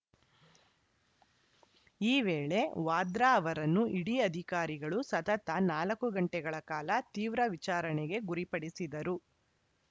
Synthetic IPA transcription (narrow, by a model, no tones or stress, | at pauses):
iːʋeːɭe̞ʋaːd̪ɾaːʋɐɾɐnːuʔiɽiɐd̪ʱikaːɾiɡɐɭusɐt̪ɐt̪ɐnaːlɐkːuɡɐɳʈɛɡɐɭɐkaːlɐt̪iːʋɾɐʋit͡ʃaːɾɐɳɛɡe̞ɡuɾipɐɽisid̪ɐɾu